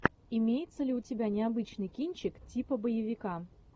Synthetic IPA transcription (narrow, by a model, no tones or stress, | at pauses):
imʲejɪt̪səlʲɪutʲɪbʲanʲɪabɨt͡ɕnɨjkʲinʲt͡ɕɪktʲipəbəjɪvʲɪka